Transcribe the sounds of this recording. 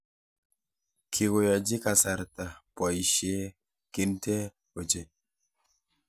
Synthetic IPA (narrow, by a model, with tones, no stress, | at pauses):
kʰi˨ɡo˨ja˨d͡ʒi˦ka˨sa˨ɾta˨pɔ˨ji˨ʃe˦ | ki˦nte˦ | o˨d͡ʒe˨